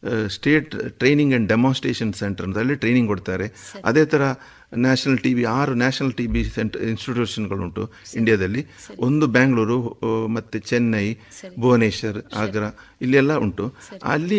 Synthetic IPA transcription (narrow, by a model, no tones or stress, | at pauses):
sʈe̞ːʈʈɾe̞jniŋɡɐɳɖɖemaːnsʈɾeːʂɐnseɳʈɐɾnt̪ɐlːiʈɾe̞jniŋɡkoɽt̪aːɾe̞ɐ̰d̪eːt̪ʰɐɾɐ | naːʂɐnɐlʈiːʋiaːɾunaːʂɐnɐlʈiːbiseɳʈɐinsʈiʈjuːʂɐnɡɐɭuɳʈuiɳɖijad̪ɐlːiʔond̪ubaːŋɡɭuːɾumɐt̪ːut͡ʃenːɐjboːneːʃɐɾaːɡɐɾɐ | ilːɛlːɐuɳʈuɐ̰lːi